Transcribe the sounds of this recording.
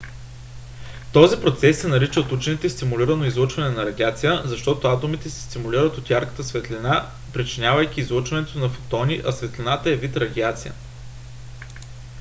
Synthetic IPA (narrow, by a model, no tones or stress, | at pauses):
t̪ɔzipɾot̪sɛsːɛnɐɾit͡ʃəot̪ut͡ʃɛnit̪ɛst̪imuliɾənoizlˠot͡ʃvɐnɛnɐɾɐɡ̪ʲiat̪sijəzɐʃt̪ɔt̪oat̪omit̪ɛsɛ̥st̪imulʲiɾət̪ot̪jaɾkə̥t̪əsvɛt̪lʲina | pɾit͡ʃinʲavɐjk̟ʲiːzlˠot͡ʃvɐnɛt̪onɐfo̥t̪ɔniʔɐsvɛt̪linat̪əɛvit̪ɾɐɡ̪ʲiat̪sijə̰